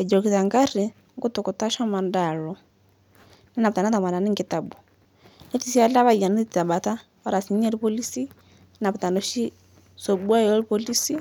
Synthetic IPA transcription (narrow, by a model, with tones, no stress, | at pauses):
ɛ˨d͡ʒɔ˨ki˨ta˨ŋɡa˦ɾi˨ | ŋɡu˦tu˨ku˨ta˦ʃɔ˦ma˨nda˨lɔ˨ | nɛ˦na˨u˨ta˨na˦ta˨mwa˨na˨ni˦ŋɡi˨ta˨bu˨ | nɛ˦ti˦si˦a˦la˦βa˦i˨a˨nɛ˦i˨ta˨ɓa˨ta˦ | a˦ɾa˨si˨ɲɛ˦li˦pɔ˦li˦si˦ | na˨βu˨ta˨nɔ˨˦ʃi˦ | sɔ˨ɓu˦a˦jɔ˦li˦pɔ˦li˦si˦